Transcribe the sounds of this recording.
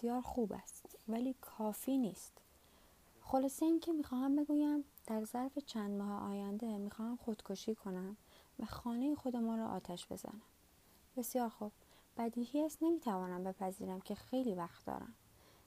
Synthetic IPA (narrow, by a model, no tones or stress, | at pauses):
esjɒːɾxuːbæ̰st̪væliːkʰɒːfiːniːst̪ | xo̞lɒːseiːŋcʰe̞miːxɒːhæmbe̞ɡuːjæmd̪̥æɾzæɾfe̞t͡ʃʰænd̪mɒːheʔɒ̰ːjænd̪e̞miːxɒːhæmxo̞d̪̥kʰoʃiːkʰo̞næmvæxɒːnejexo̞d̪emuːnɾɔːʔɒ̰ːt̪ʰæʃb̥e̞̰zæ̰næm | b̥e̞sjɒːɾxub̥̚ | b̥æd̪iːhiæst̪ne̞miːt̪ʰævɒːnæmbe̞pʰæziːɾæmcʰe̞xe̞jliːvæxt̪d̪ɒ̰ːɾæ̰m